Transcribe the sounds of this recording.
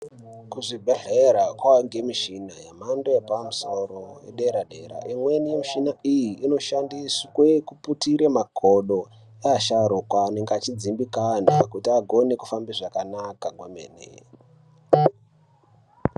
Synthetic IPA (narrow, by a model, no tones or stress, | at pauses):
kuʐibʱeɮeɾakwaŋɡemiʃinajamandoepamuso̞ɾojḛɗeɾaɗe̞ɾa̰ʔimwe̞nijemiʃinaijiːno̞ʃandiswekuputiɾemaɡʱoɗo̞ | eaʃaɾukwaːneŋɡeat͡ʃid͡zimbikanaekutiaɡʱo̞neku̥fambiʐakanakaɡwamḛːnḛ